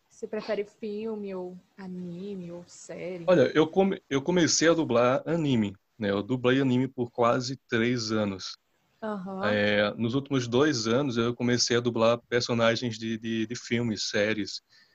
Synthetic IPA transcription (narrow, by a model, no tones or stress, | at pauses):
sɪpɾɛfɛɾɪfiwmɪowanĩmɪowsɛɾjʊɔʎɐʔewkõmewkõmesejɐd̪ublaɾɐnĩmɪ | nɛewd̪ublejɐnĩmɪpʊɾkwazɪt̪ɾejzɐ̃nʊs | ɐɦɐ̃ɛnʊzuwt̪imʊzd̪ojzɐ̃nʊzewkõmesejɐd̪ublaɾpeɾsonaʒẽj̃zd̪ɪd̪ɪd̪ɪfiwmɪsːɛɾiɪs